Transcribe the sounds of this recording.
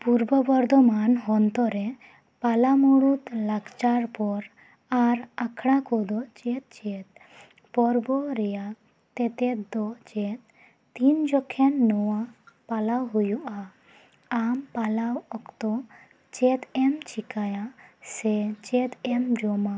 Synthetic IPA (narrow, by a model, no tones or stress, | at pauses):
puɾbɔbɔɾd̪ɔmanɦɔnt̪ɔɾɛ | palamuɽut̪lakt͡ʃaɾpɔɾ | aɾakʰɽ̃akɔd̪ɔt͡ʃɛt̪̚t͡ʃɛt̪̚ | pɔɾbɔɾɛja | t̪ɛt̪ɛt̪d̪ɔt͡ʃɛt̪̚ː | ind͡ʒɔkʰɛnːɔwapalawɦujuʔaː | mpalawɔkt̪ɔ | t͡ʃɛt̪ɛmt͡ʃikajasɛt͡ʃɛt̪ɛmd͡ʒɔma